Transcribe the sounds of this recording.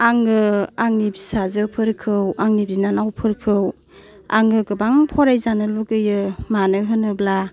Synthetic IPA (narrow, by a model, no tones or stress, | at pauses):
aŋɡɯaŋnibisazɯpʰɯɾkʰɯwaŋnibinanawpʰɯɾkʰɯw | a̰ŋɡɯɡɯbaŋpʰɔɾajzanɯluɡɯjɯmanɯɦɯnɯbla